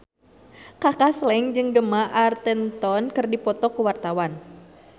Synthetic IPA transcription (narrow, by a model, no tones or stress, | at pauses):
kakaslɛŋd͡ʒɨŋɡəmaʔart̪ɛnt̪ɔnkɨrdipɔt̪ɔkuwart̪awan